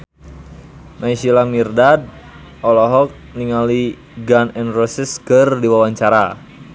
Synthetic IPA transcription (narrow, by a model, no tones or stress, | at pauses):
naisilamirdad̚ | ɔlɔɦɔk̚niŋali | ɡanɛnrɔsiskərdiwawaɲt͡ʃaɾa